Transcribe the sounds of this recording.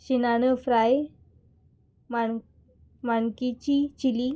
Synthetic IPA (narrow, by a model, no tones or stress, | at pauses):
ɕinanəfɾaj | ma | maɳkit͡ɕit͡ɕili